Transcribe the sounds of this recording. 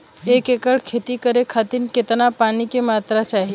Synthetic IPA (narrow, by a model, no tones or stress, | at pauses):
ekekəɽkʰet̪ikəɾekʰat̪inket̪napaːnikemat̪ɾat͡ʃaːɦi